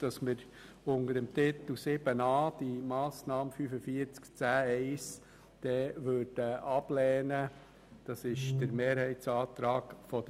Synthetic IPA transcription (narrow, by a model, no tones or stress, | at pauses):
d̥ɑsmɪɾ | ʊndəɾəmt̪ɪt̪l̩sɪbənɑːd̥imɑːsnɑːmfyːfəfiːɾt͡skt͡sæːɛɪs | d̪̥ɛːʋøːɾd̥əʔɑb̥lɛːnə | d̥ɑsɪʃd̥əɾmeːɾhɛɪtsɑːt̪ɾɑːɡfɔd